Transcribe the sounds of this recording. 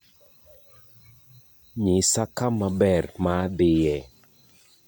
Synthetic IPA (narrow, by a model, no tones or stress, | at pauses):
ɲɪsakamabɛrmad̪ɪjɛ